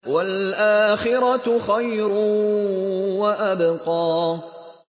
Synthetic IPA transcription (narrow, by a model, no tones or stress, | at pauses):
walʔaːxɪɾˤɑxajɾʊ | waʔabqɑː